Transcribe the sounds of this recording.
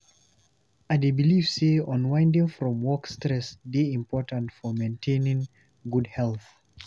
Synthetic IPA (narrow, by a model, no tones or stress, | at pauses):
adebilivseɔ̃nwãɪ̃ndɪ̃ŋfɹɔ̃mwɔkstɹɛsbiĩmpʰɔɹtə̃ntfɔmẽntʰẽnɪ̃ŋ | ɡud̚hɛlˠθ